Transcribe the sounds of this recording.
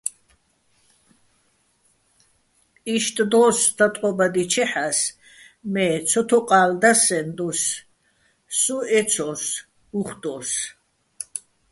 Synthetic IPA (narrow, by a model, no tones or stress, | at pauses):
iʃt̪ʼd̪ɔsd̪̥at̪ʼqʼɔbad̪it͡ʃʰɛħas | mɛːt͡sʰɔt̪ʰɔqʼaːld̪asɛnd̪us | uɛt͡sʰɔs | uχd̪̥ɔs